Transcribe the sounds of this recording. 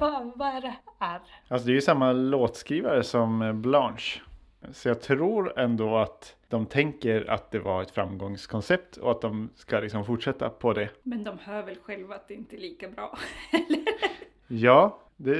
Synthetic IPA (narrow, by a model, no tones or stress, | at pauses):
bɑabɑːɾaæɾʔalsɔd̪ɛæɾjɵsamːaloːt̪skɾiːvaɾəsɔmblɑnʂ | sɔjɑːɡ̚t̪ʰɾuːɾɛnd̪oːat̪d̪̥ɔmt̪ʰɛŋkəɾa̰t̪̚d̪ɛvaɾɛt̪fɾa̰mːɡɔŋskʰɔnsɛp̚t̪ʰɔ̰at̪̚d̪ɔmskalɪksɔmfʊʈʂɛt̪ːapʰɔd̪ɛmɛnd̪ɔmhœːɾvɛlɧɛlvaat̪̚d̪ɛɪnt̪əliːkabɾɑːɛlːə | jɑː | d̪ɛ